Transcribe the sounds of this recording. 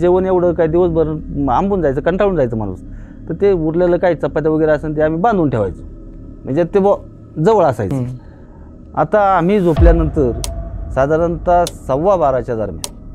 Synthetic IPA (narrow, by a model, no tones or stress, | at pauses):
d͡ʑeʋəɳjeʋɽ̤əkaid̪iʋəsbʱəɾəambuːnd͡zajt͡səːkəɳʈaɭuːnd͡zajt͡səm̤a̰ɽṵːs | t̪əɾt̪euɾljaləkait͡səpːat̪̬aʋəɡəjɾeasəːnt̪̬eam̤iːbãnd̪uːnʈʰeʋa̰jt͡sə̥ | m̤əɳd͡zet̪ebə | d͡zəʋəɭasa̰jt͡sə | a̰t̪aːm̤iːd͡zopljanənt̪əɾsad̪ʱaɾənt̪asəʋabaɾat͡ɕjad̪ʱa̰ɾmja̰